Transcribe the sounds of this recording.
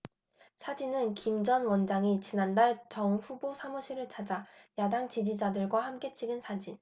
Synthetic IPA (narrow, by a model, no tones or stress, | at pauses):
sʰad͡ʑinɯnkimd͡ʑʌnwʌnd͡ʑaŋit͡ɕinandaɭt͡ɕʌŋɸubosʰamuɕʰiɾɯɭt͡ɕʰad͡ʑajadaŋt͡ɕid͡ʑid͡ʑadɯɭɡwahamk͈e̞t͡ɕʰiɡɯnsʰad͡ʑin